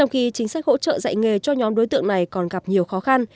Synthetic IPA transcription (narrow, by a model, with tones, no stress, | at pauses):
t͡ɕɔ˧wŋ͡mxi˧t͡ɕï˨˦ŋ̟sa˦˥k̚ho̰˧˥t͡ɕə̰ː˧˨za̰˧˨jŋe˨˩t͡ɕɔ˧ɲɔ˨˦mɗo˨˦jt̪ɨ̰˧˨əŋna˨˩jkɔ˨˩nɣa˨˩p̚ɲi˨˩əwxɔ˨˦xa˧n